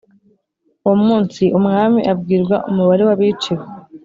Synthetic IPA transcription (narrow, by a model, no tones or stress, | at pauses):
uwomuːnsiʔumŋaːmiʔabɡiːɾɡwaʔumuβaɾe̞waβit͡ʃiɾe